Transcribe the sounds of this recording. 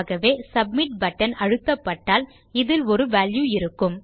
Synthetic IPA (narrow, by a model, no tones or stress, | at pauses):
ɣɐʋeːsɐb̚mɪʈ̚bɐʈːɐnɐɻɯk̪ːɐpːɐʈːaːl | ɪðɪlɔɾɯʋaːljuɪɾɯkːɯm